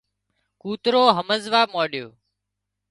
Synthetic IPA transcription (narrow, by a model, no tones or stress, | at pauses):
kuːt̪ɾoːɦəməzʋaːmoːɗjoː